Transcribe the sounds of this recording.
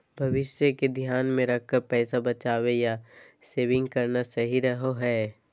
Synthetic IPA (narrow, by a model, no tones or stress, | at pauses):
bʱɐʋɪʃjəked̪ʱjaːnmẽɾɐk̚ʰkəɾpɛːsabɐt͡ʃaːʋeja | seːʋɪ̃ŋɡkɐɾnasɐɦiɾɐɦoɦɛː